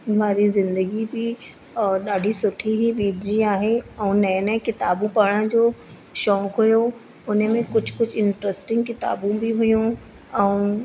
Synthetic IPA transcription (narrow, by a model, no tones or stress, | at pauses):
ʋaːɾizɪ̃nd̪əɡibɪ | ɗaːɖʱisʊʈʰiɦibiːd̪ʱd͡ʑiaːɦeɛ̃ːnɐjnɛkɪt̪aːbũpɐɽ̃ə̃d͡ʑoː | ʃɔːkɦʊjo | ʊn̤mẽkʊd͡ʑʱkʊd͡ʑʱɪɳʈɾəsʈɪ̃ŋɡ̚kɪt̪a̰ːbũbɪɦʊjũ | ɛ̃ː